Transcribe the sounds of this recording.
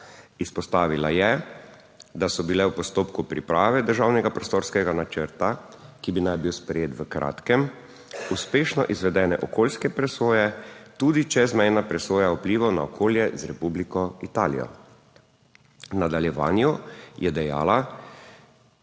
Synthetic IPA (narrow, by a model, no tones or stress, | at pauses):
ispɔst̪aːʋilajɛ | d̪asɔbilɛwpɔst̪oːpkupɾḭpɾaːʋɛd̪əɾʒaːwnɛɡapɾɔst̪oːɾskɛɡanat͡ʃəɾt̪a | kibinajbiwspɾɛjeːt̪ʋəkɾʔa̰ːt̪kɛm | uspeːʃnɔʔizʋɛd̪ɛːnɛʔɔkoːlskɛpɾɛsoːjɛt̪uːd̪it͡ʃɛzmɛjnapɾɛsoːjaupliːʋɔnaɔkʰoːljɛzɾɛpublikɔit̪aːlḭjɔ̰ | nad̪aljɛʋa̰ːnjujɛd̪ɛja̰ːla